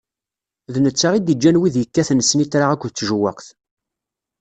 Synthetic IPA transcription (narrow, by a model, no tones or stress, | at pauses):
ðnət͡sːaʁid̪id͡ʒːænwiðjəkːæθnəsnit̪ɾaʁækʷːðət͡sːʒəwːæ̰qθ